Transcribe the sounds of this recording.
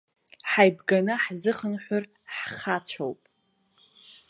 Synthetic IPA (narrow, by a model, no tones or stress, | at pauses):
ħajbɡanɨħzɨχənħʷʊr | ħχat͡ɕʷʰowpʼ